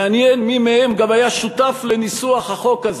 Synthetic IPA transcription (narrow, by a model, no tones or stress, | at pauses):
anjenmimehemɡamajaʃut̪aflenisuaχhaχo̞kaz